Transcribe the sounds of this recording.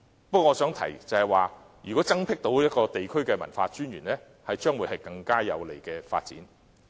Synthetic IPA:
pɐ˥kɔː˧ŋːɔː˨˧sœː˨˥ŋt̪ʰɐ̰˨˩jt͡sɐ˨hɐ˨jwaː˨ | jy˨˩kɔ˨˥t͡sɐ˥ŋpʰɪ˥k̚t̪o˨˥wjɐ˥t̚kɔː˧t̪e˨jkʰɵ˥ɥkɛː˧mɐ̰˨˩nfaː˧t͡ʃyː˥njyː˨˩nlɛː˥ | hɐ˨jt͡ʃœː˥ŋwuː˨˥jhɐ˨jkɐ˧ŋkaː˥jɐ̰˨˧wle˨˩jkɛː˧fa̰ː˧t̚t͡siː˨˥n

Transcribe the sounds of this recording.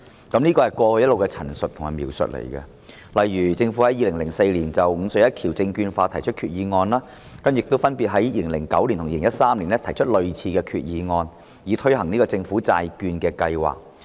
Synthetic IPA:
kɐ˨˥mniː˥kɔː˧hɐ˨˩jkʷɔː˧hɵ˧jɐ˥tlo˨wkɛ˧t͡sʰɐ˨˩nsɵ˨t̪̚ʰʊ˨˩ŋhɐ˨jmiː˨˩wsɵ̰˨t̚lḛ˨˩jkɛ̰˧ | lɐ˨jɥyː˨˩t͡sɪ˧ŋfuː˨˥hɐ˨˥jːiː˧lɪ˨˩ŋlɪ˨˩ŋse˧jliː˨˩nt͡sɐ˨wŋ̩ː˨˧sɵ˨˧ɥjɐ˥t̚kʰiː˨˩wt͡sɪ˧ŋkyː˧nfaː˧t̪ʰɐ˨˩jt͡ʃʰɵ˥t̚kʰyː˨˩t̚jiː˨˧ŋɔː˧nlaː˥ | kɐ˥mjɪ˨k̚t̪o˥wfɐ˥npiː˨t̚ɦɐ˨˥jjiː˧le˨˩ŋlɪ˨˩ŋkɐ˨˥wli˨˩nt̪ʰʊ˨˩jiː˧lɪ˨ŋjɐ˥tsaː˥mliː˨˩nɛ˥t̪ʰɐ˨˩jt͡ʃʰɵ˥t̚lɵ˨ɥt͡sʰiː˧kɛː˧kʰyː˨t̚jiː˨˧ŋɔː˧n | jiː˨˧t̪ʰɵ˥ɥhɐ˨˩ŋniː˥kɔː˧t͡sɪ˧ŋfu˨˥t͡sa̰ː˧jkyː˧nkɛː˧kɐ˧jwa̰ː˨˩k̚

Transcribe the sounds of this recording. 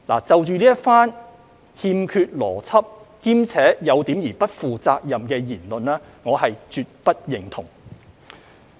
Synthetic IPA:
la̰ː˨˩t͡sɐ˨wt͡ʃyː˨˧liː˥jɐ˥t̚faː˥n | hiː˧mkʰyː˧t̚lɔ̰ː˨˩t͡sʰɐ˥p̚kiː˥mt͡sʰɛː˨˥jɐ˨˧wt̪iː˨˥mjiː˨˩pɐ˥t̚fuː˨t͡saː˧k̚jɐ˨mkɛː˧jiː˨˩nlɵ˨nlɛː˥ŋɔː˨˧ɦɐ˨jt͡ʃyː˨t̚pɐ˥t̚jɪ˨˩ŋt̪ʰʊ˨˩ŋ

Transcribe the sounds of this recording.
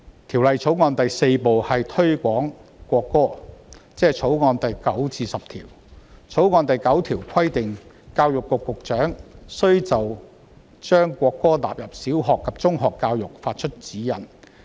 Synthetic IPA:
t̪ʰiː˨˩wlɐ˨jt͡sʰo˨˥wŋɔː˧nt̪ɐ˨jse˧jpo˨whɐ˨jt̪ʰɵ˥ɥkʷɔː˨˥ŋkʷɔː˧kːɔː˥t͡sɛː˥t͡sʰo˨˥wŋɔː˧nt̪ɐ˨jkɐ˨˥wt͡sʰiː˧sɐ˨p̚t̪ʰḭː˨˩w | t͡sʰo˨˥wŋɔː˧nt̪ɐ˨jkɐ˨˥wt̪ʰiː˨˩wkʰɐ˥jt̪ɪ˨ŋ | kaː˧wjʊ˨kːʊ˨kːʊ˨k̚t͡ʃœː˨˥ŋsɵ˥ɥt͡sɐ˨w | t͡ʃœː˥ŋkʷɔː˧kːɔː˥t̪a̰ː˨p̚jɐ˨p̚siː˨˥wɦɔː˨˩kʰːɐ˨p̚t͡sʊ˥ŋɦɔː˨kːaː˧wjʊ˨˩k̚faː˧t̚t͡ʃʰɵ˥t̚t͡siː˨˥jɐ̰˨˩n

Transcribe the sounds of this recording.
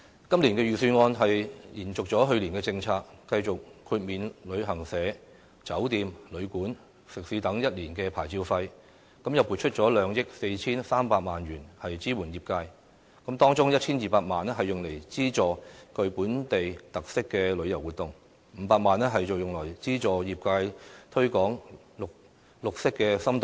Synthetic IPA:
kɐ˥mli˨˩nkɛː˧jyː˨˩syː˧ŋɔː˧nɦɐ˨jjiː˨˩nt͡sʊ˨k̚t͡sɔː˨˥ɦɵ˧ɥliː˨˩nkɛː˧t͡sɪ˧ŋt͡sʰaː˧kːɐ˧jt͡sʊ˨k̚kʰːuː˧t̚miː˨nlɵ˨˧ɥɦɐ˨˩ŋsɛː˨˧˥ | t͡sɐ˨˥wt̪iː˨˧mlɵ˨˧ɥkuː˨˥n | sɪ˨k̚siː˨˥t̪ɐ˨˥ŋjɐ˥t̚liː˨˩nkɛː˧pʰaː˨˩jt͡siː˧wfɐ˧j | kɐ˨˥mjɐ˨wpu˨t̚t͡ʃʰɵ˥t̚t͡sɔː˨˥lœː˨˧ŋjɪ˥k̚se˧jt͡sʰiː˥nsaː˥mpaː˧t̚maː˨nɥyː˨˩nhɐ˨jt͡siː˥wuː˨˩njiː˨˩p̚kaː˧j | kɐ˨˥mt̪ɔː˥ŋt͡sʊ˥ŋjɐ˥t̚t͡sʰiː˥njiː˨paː˧t̚maː˨nɛ˥ɦɐ˨jːʊ˨˩ŋle˨˩jt͡siː˥t͡ʃɔː˨˩kɵ˧ɥpuː˨˥nt̪e˨jt̪ɐ˨k̚sɪ˥kːɛː˧lɵ˨˧ɥjɐ˨˩wuː˨t̚t̪ʊ˨ŋ | m̩ː˨˧paː˧k̚maː˨nɛː˥ɦɐ˨jt͡so˨wjʊ˨ŋlɔː˨˩jt͡siː˥t͡sɔː˨˩jiː˨p̚kaː˧jt̪ʰɵ˥ɥkɔː˨˥ŋ | lʊ˨k̚ | lʊ˨k̚sɪ˥kːɛː˧sɐ˥mt̪

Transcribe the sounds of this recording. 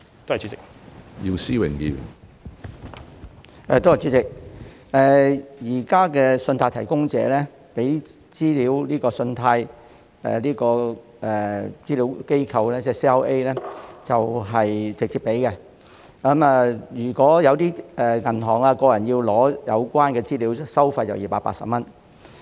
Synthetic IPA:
t̪o˥ht͡si˨˥t͡sɪ˨k̚ | ji˧wsiː˥wɪ̰˨˩ŋkḭ˧ɥy̰˨˩n | ɛ˨˧t̪o˥hjt͡siː˨˥t͡sɪ˨k̚ | ɛː˨jiː˨˩kaː˥kɛː˧sɵ˧nt̪ʰaː˧jt̪ʰɐ˨˩jkʊ˥ŋt͡sɛ̰ː˨˧˦lɛː˥ | pe˨˥j | t͡siː˥liː˨˥wliː˥kɔː˧sɵ˧nt̪ʰaː˧j | ɛ̰ː˨liː˥kɔː˧ | ʔɛː˨˩t͡siː˥liː˨˥wke˥jkʰɐ˨wlɛː˥t͡sɛ˥si˥a˥wʔe˥jlɛː˥t͡sɐ˨wɦɐ˨jt͡sɪ˨k̚t͡siː˧pːe˨˥jkɛ˧ | kɐ˨˥ma˨˧jyː˨˩kʷɔː˨˥jɐ˨˧wt̪iː˥ɛ˨ŋɐ˨˩ntɔː˨˩ŋaː˧kɔː˧jɐ˨˩nji˧wlɔː˨˥jɐ˨˧wkʷaː˥nkɛː˧t͡siː˥liː˨˥wsɐ˥wfɐ˧jt͡sɐ̰˨wjiː˨˩paː˧t̚pa̰ː˧ksɐ̰˨p̚mɐ˥n

